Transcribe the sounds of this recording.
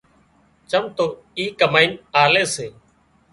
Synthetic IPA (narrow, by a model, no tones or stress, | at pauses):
t͡ʃəmt̪oː | iːkəmaːiːnaːleːseː